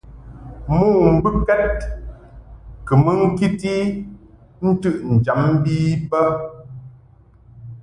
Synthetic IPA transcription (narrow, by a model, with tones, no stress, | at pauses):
mu˦˨m̩˨bɨ˦kɛ˦t̚ | kɨ˨mə˦ŋ̩˦ki˦ti˦ | n̩˦tɨ˦˨ʔn̩˨d͡ʒa˨˦m˦biː˦pə˦